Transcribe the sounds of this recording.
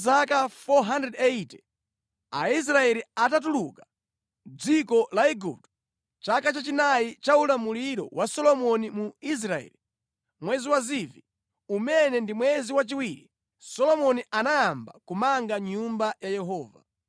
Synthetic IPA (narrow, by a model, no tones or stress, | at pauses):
zakafɔɦandɾɛdɛitɛ̥ | a̰is̬ɾaɛliatat̬uluka | d͡zikɔlaiɡṵp̚t | t͡ʃakat͡ʃat͡ʃinajit͡ʃaulamuliɾɔ̰wasɔlɔmɔnimuis̬ɾaɛ̰li | mwɛziwazivi | umɛnɛndimwɛziwat͡ʃiwiɾi | sɔlɔmɔniʔanajamba̰kumaŋɡaɲumbajajɛɦɔːva̰